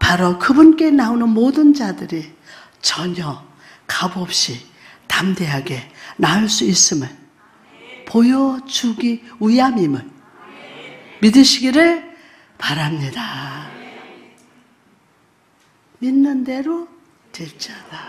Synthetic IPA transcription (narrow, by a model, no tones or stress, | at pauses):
paɾokɯbunk͈e̞naonɯnmodɯnd͡ʑadɯɾi | t͡ɕʌɲʌ | kabʌp̚ɕ͈i | tamde̞ɦaɡe̞naɭs͈uis͈ɯmjɯn | pojʌd͡ʑuɡiiamimɯɭ | midɯɕʰiɡiɾɯɭ | paɾamɲida | minːɯnde̞ɾo | tweɭt͡ɕ͈ad̥a